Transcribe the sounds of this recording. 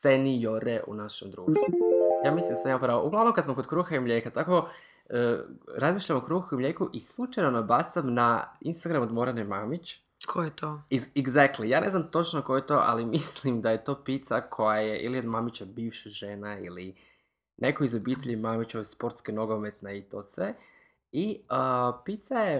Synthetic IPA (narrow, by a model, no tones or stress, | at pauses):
senijoɾeʔṵnaʃemd̪ɾuːʃt̪ujaːmislˠimd̪asamimapɾaːʋouɡlˠaʋnomkad̪smamkod̪kɾuːxaimʎʲeːkat̪ako̞ | əːɾazmiːʃʎamokɾuːxuimlʲeːkuʔislˠut͡ʃajnonobasamnainst̪aɡɾamod̪mo̞ɾenemamit͡ɕ | kʰojet̪oiɛɡzak̚t̪lijaːnʔe̞znamt̪o̞t͡ʃnoko̞jet̪o̞ʔa̰limislimd̪aje̞t̪o̞ːpit̪sakʰo̞jaje̞ʔilio̞d̪mamit͡ɕabiːʋʃaʒenaḭli | nʔekoizobit̪eʎimamit͡ɕoespo̞ɾt̪skeno̞ɡomet̪neit̪osʋe | iəpit̪saje